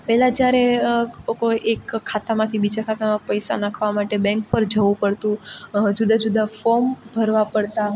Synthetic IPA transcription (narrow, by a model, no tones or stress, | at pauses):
pɛɦlad͡ʒjaɾekoʔekʰːat̪amãt̪ʰibid͡ʒakʰat̪amãpəjsa̰nakʰʋamaʈebɛ̃ŋk̚pəɾd͡ʒəʋũpəɽt̪ũd͡ʒud̪ad͡ʒud̪afɔmbʱəɾʋapəɽt̪a